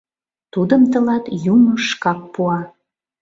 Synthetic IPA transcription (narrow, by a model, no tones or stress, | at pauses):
t̪ud̪əmt̪əlɑt̪juməʃkɑk̚puɑ